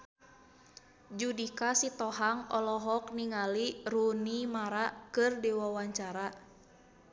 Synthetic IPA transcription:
d͡ʒudikasit̪ɔɦaŋɔlɔɦɔk̚niŋalirunimaɾaʔkɨrdiwawaɲt͡ʃaɾa

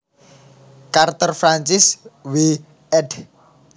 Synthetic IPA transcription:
kart̪ɔrfɾaɲt͡ʃɪswi | ɛd

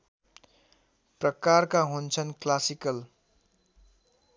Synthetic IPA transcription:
prʌkarkaɦunt͡sʰʌnklasikʌl

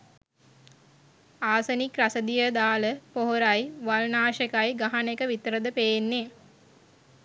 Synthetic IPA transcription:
aːsənikrasəd̪ijəd̪aːləpoɦoɾajʋalnaːʃəkajɡaɦanekəʋit̪əɾəd̪əpejenːe

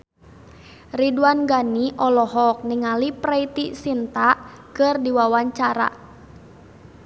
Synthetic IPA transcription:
riduanɡaniʔɔlɔɦɔk̚niŋaliprɛit̪isint̪a | kɨrdiwawaɲt͡ʃaɾa̰

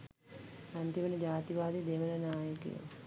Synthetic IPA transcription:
ant̪imənəd͡ʒaːt̪iʋaːd̪id̪eʋələnaːjəkḭjə̰

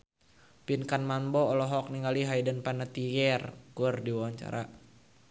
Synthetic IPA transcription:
pinkanmambɔːlɔɦɔk̚niŋaliɦaidənpanat̪ijɛrkurdiwawaɲt͡ʃa̰ɾa̰

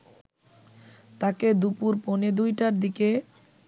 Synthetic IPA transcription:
t̪aked̪upuɾponed̪ujʈaɾd̪ike

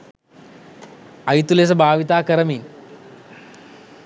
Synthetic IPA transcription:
ɐjt̪ules̬ɐbaːʋit̪aːkɐɾɐmiːn

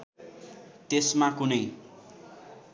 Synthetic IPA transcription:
t̪esmakunʌj

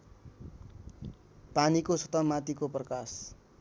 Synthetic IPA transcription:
panikosʌt̪ʌmat̪ikoprʌkas

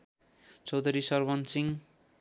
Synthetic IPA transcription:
t͡sʌwd̪ʱʌɾisʌrbʌnsiŋ

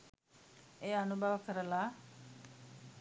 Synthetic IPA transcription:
eːanubʱaʋəkəɾəlaː

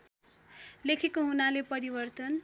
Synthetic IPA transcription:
lekʰekoɦunalepʌɾibʌrt̪ʌn

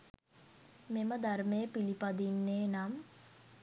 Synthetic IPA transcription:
meməd̪armejəpilipad̪inːeːnam

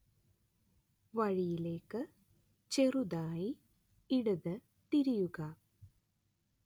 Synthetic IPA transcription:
ʋɐɻijileːkːɨ | t͡ɕeruðaːji | iɽuðɨ | t̪iɾijuɣɐ

